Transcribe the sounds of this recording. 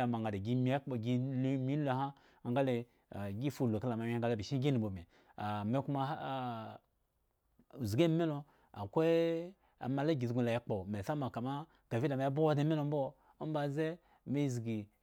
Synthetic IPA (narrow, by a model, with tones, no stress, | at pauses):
a˨ma˨ŋɡa˨da˨ɡi˦mi˨˦e˦k͡po˨ɡi˦lmi˦lo˦ɦa˦ | a˨ŋɡa˦le˨ | ɡi˦fu˦˨lo˨ka˦la˨ma˨˦i˦a˦ɡa˦˨le˦bi˨ʃi˦ɡʲi˦ni˨bo˨me˨ | a˨me˦ku˦ma˧˦˨ | u˨zi˨ɡe˦me˦no˧ | a̰˨kʷe˦ | a̰˨ma˨la˦ɡʲi˨zɡu˧˦la˨je˦k͡po˨me˨sa˦ma˨ka˨ma˦ | ɡ̥a˨vi˦da˨ma˨ja˦bo˦de˦me˦no˨m̩˦bo˦ | ba˨ze˦ | me˦˨zɡi˨